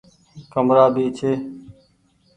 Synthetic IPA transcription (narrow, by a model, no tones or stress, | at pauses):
kəmɾaːbiːt͡ʃʰeː